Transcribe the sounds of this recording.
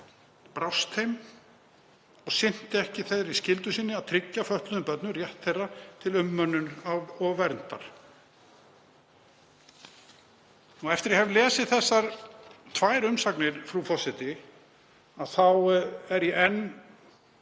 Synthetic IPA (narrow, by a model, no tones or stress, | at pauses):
pɾawst̪ʰejm | ɔɣsɪn̥t̪ɪɛhcɪθejðɾiscɪlt̪ʏsiːnːɪaðt̪ʰɾɪcːafœht̪lʏðʏmpœt̪nʏrjɛht̪θejrːat̪ʰɪlʏmːœnːʏnavɔɣvɛɾnt̪a̰ɾ̥ | uɛft̪ɪɾjɛɦɛvlɛːsɪðθɛsːaɾ̥t̪ʰvaːjɾʏmsaknɪɾ̥fɾufɔsɪt̪ɪ | aðθawɛɾiʔɛnː